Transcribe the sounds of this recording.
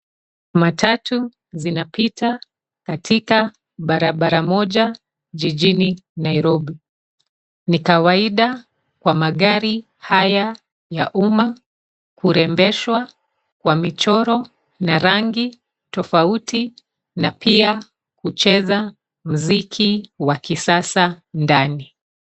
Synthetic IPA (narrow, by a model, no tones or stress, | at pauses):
matʰatu | zinapita | katʰika | ɓaɾaɓaɾamɔʄa | ʄiʄininaiɾɔɓi | nikawaiɗa | kwamaɠaɾi | haja | jaʔuma | kuɾɛmbɛʃwa | kwamit͡ʃɔɾɔ | naɾaŋɡi | tɔfauti | napʰia | kut͡ʃɛza | m̩zikʰiwakisasandani